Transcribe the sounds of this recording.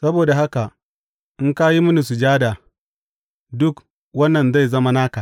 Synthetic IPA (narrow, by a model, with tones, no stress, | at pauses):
sɐ˦boː˨da˨ɦa˦ka˨ | ʔɪ˦ŋka˦ji˦mʊ˦ni˨su˨d͡ʒaː˦da˨ | dʊ˦k | wɐ˦nːɐ˨nza˦˨jzɐ˦ma˦naː˦ka˨